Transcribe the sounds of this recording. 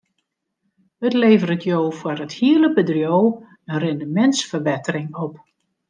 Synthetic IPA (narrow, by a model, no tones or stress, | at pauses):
ətleːvərətʰjoːfwərəthiələbədrjow | ənrɪndəmɛntsfərbɛtərɪŋɔp